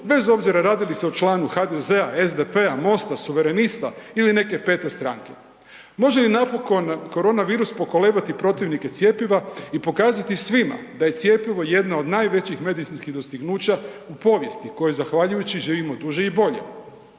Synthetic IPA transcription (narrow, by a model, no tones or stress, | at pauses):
be̞zo̞bziɾaɾaːd̪iliseot͡ʃlaːnuxad̪e̞ze̞aezd̪e̞pe̞amo̞st̪asuʋe̞ɾe̞nist̪a̰iline̞ke̞pe̞ːt̪e̞st̪ɾaŋke̞ | mo̞ʒe̞linapo̞ko̞nko̞ɾo̞ːnaʋiːɾuspo̞ko̞le̞ːbat̪ipɾo̞t̪iʋniket̪sje̞piʋaipo̞kaːzat̪isʋima̰d̪aje̞t̪sje̞piʋo̞je̞d̪nao̞d̪naːjʋe̞t͡ɕixme̞d̪it̪sinskiɣd̪o̞st̪iɡnuːt͡ɕaupo̞ʋje̞st̪iko̞jezaxʋaʎujut͡ɕiʒiːʋimo̞d̪uʒeibo̞ʎe̞̰